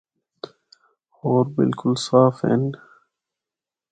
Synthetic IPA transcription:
oːɾbɪ̰lkʊlsaːfḛnɖ

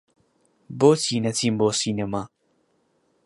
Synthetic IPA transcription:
bot͡sinat͡sʰimbosinema

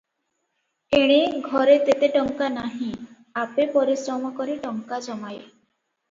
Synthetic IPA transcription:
eɽ̃eɡʱɔɾet̪et̪eʈɔŋkanaɦĩ | apepɔɾisɾɔmɔkɔɾiʈɔŋkad͡ʒɔmaj

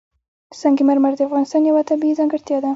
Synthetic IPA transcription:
sɑŋɡimeɾmaɾd̪eafɣɑnɪst̪ɑnjawat̪abiizɑŋɡɪɾt̪jɑd̪a

